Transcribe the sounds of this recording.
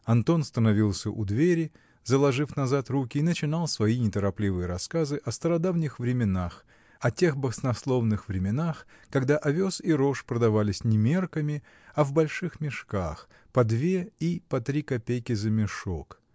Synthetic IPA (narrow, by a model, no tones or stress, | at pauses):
ɐnt̪o̞nst̪ənɐvʲilˠsʲəʔʊd̪vʲeɾʲɪ | zəlˠɐʐɨfnɐzat̪rukʲɪːnət͡ɕɪn̪alˠsvɐinʲɪt̪əɾɐplʲivɨjəɾɐskazɨʔɐst̪əɾɐd̪avnʲɪxvɾʲɪmʲɪnax | ɐtʲe̞xbəsnɐslˠo̞vnɨxvɾʲɪmʲɪnax | kɐɡd̪aʔɐvʲo̞siɾo̞ʂpɾəd̪ɐvalʲɪsʲnʲɪmʲe̞rkəmʲɪ | ɐvbɐlʲʂɨxmʲɪʂkax | pɐd̪vʲeipɐt̪ɾʲikɐpʲejkʲɪzəmʲɪʂok